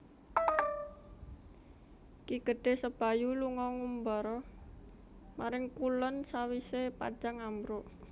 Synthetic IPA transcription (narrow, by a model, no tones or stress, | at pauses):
kiɡ̥ə̤ɖ̥e̤hsəb̥a̤juluŋɔŋumbɔɾɔ | maɾɪŋkulənsawisepa̰̥d͡ʒ̥aŋambɾoʔ